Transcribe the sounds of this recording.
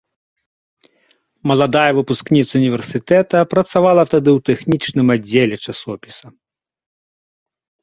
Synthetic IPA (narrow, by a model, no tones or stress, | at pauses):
mɐlˠad̪ajɐvɨpusknʲit̪sɐunʲivʲɛrsɨt̪ɛt̪ɐpɾɐt̪savalˠɐt̪ad̪ɨwt̪ɛxnʲit͡ʂnɨmad͡zʲːelʲɛt͡ʂasɔpʲi̥sɐ